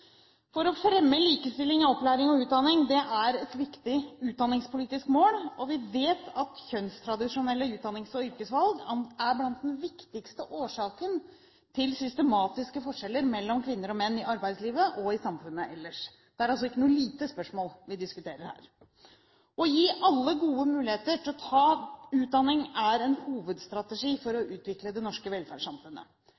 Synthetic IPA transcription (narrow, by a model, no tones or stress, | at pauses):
fɔɾɔfɾɛmːəliːkəst̪ɪlːɪŋɑɔplæːɾɪŋɔʉːt̪̚d̪ɑnːɪŋd̪ɛʔæɾɛt̪ʋɪkt̪ɪʉːt̪̚d̪ɑnːɪŋspʰʊliːt̪ɪskmoːlɔʋɪʋeːt̪ʰɑt̪çœnst̪ʰɾɑd̪ɪʂʊnɛlːəʉːt̪̚d̪ɑnːɪŋsɔʏɾkəsʋɑlɡɑæɾblɑnt̪̚d̪ɛnʋɪkt̪ɪkst̪əʔoːʂɑːkən | t̪ʰɪlsʏst̪əmɑːt̪ɪskəfɔʂɛlːəɾmɛlːɔmkʰʋɪnːəɾɔmɛnːɪʔɑɾbæɪd̪sliːʋəʔɔɪsɑmfʉnːəʔɛlːəʂ | d̪̥ɛæɾɑlsɔɪkːənuːəliːt̪əspœʂmoːlʋɪd̪ɪskʉt̪ʰeːɾəɾhæ̰ːɾ | ɔjiːʔɑlːəɡuːəmʉːlɪheːt̪əɾʈʰɪlɔt̪ʰɑːʉːt̪̚d̪ɑnːɪŋæɾɛnhuːʋəd̪st̪ɾɑt̪əʂiːfɔɾɔʔʉːt̪ʰʋɪkləd̪ɛnɔʂkəʋɛlfæ̰ʂɑmfʉnə̰